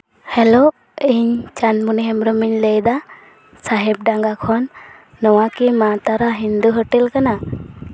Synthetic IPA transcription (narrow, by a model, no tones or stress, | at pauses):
hɛlo | iɲt͡ʃanmuniɦɛmɾəmiɲləjd̪a | saɦɛp̚ɖaŋɡakʰɔnː | ɔwakimat̪aɾaɦind̪uɦəʈilkana